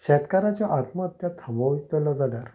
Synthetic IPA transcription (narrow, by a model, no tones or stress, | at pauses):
ɕɛt̪kaɾat͡ɕɔʔat̪məːt̪jat̪ʰəmɔʋit̪ɔlɔd͡zadaɾ